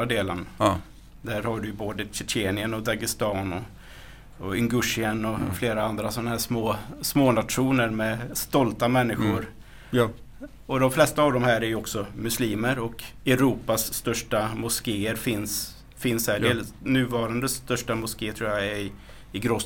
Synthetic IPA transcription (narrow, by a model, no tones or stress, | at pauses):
ad̪eːlə̰n | d̪æɾhaɖɵʉjboːd̪əɕɛt͡ʃeːnɪənɔd̪aɡɪst̪ɑːnɔ | ɔʏŋɡɵʂɪənɔfleːɾaand̪ɾasɔnaɦæːʂmoːsmoːnat̪ɧuːnəɾmɛst̪ɔlt̪amɛnːɪɧʊɾ | ɔd̪ɔmflɛst̪aːvd̪ɔmɦæːɾæɾjɵɔksɔmɵsliːməɾɔkɛɾuːpasːt̪œʂʈamʊskeːəɾfɪns | fɪnsædeːlnʉ̟ːvɑːɾand̪əst̪œʂʈamʊskeːtʰɾuːjaɪ | ɪɡɾoː